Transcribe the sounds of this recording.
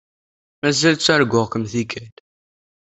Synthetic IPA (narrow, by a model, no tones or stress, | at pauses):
mæzælt͡sːæɾɡʊʁkəmθikæd̪